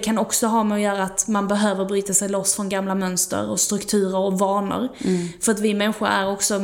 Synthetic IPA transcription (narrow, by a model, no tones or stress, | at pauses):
kʰanɔksɔɦɑːmɛɔjœːɾaːt̪manbɛɦøːvəɾbɾyːt̪asɛjlɔsːfɾɔnɡamlamœnst̪ə̰ɾɔst̪ɾɵkt̪ʰʉ̟ːɾəɾɔvɑːɳə̰ɾfœɾat̪vɪmɛnɧʊɾæ̰ɾɔksɔ